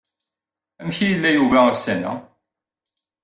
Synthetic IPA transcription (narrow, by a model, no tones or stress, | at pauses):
æmçijlːæjuvæəsænːæ̰